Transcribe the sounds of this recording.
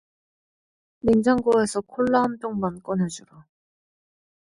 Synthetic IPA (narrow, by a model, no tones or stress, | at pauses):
mind͡ʑaŋɡoesʰʌkʰoɭːaɦamtoŋmank͈ʌnɦed͡ʑuɾa